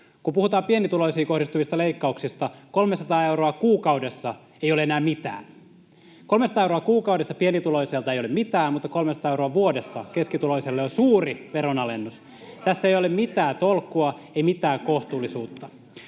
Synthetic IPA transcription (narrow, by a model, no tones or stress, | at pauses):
kumpuhut̪ɑːpienit̪uloisiːko̞hdist̪uʋist̪ɑleikːɑuksist̪ɑkolmesɑt̪ɑːeuɾoɑkuːkɑudesːɑ | ejoleenæːmmit̪æ̰ːn | kolmesɑt̪ɑːeuroɑkuːkɑudesːɑpienit̪uloiselt̪ɑejolemmit̪æːmut̪ːɑkolmesɑt̪ɑːeuɾoɑʋuodesːɑ̰keskit̪uloiselːeosuːriʋeronɑlenːus | t̪æsːeijolemmit̪æːt̪olkːˑuɑeimit̪æːŋkoht̪uːlisuːt̪ːɑ